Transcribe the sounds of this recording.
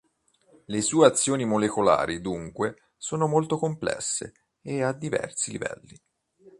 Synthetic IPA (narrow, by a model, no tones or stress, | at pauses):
lesuːeat̪sːjoːnimolekola̰ːɾid̪uŋkwe | soːnomolt̪okomplɛ̰sːḛː | ad̪ːivɛ̰rsilivɛ̰lːi